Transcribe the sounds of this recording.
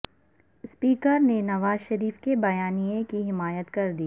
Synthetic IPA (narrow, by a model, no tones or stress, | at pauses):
spiːkəɾnenɐʋaːzʃɐɾiːfkebɐjaːnijekiɦɪmaːjət̪kɐɾd̪iː